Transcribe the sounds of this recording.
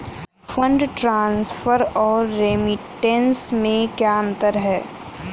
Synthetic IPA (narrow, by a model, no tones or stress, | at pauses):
fʰə̃ɳɖʈɾãːnsfʰəɾɔːɾːeːmɪʈẽnsmẽkjaːə̃nt̪əɾɦɛː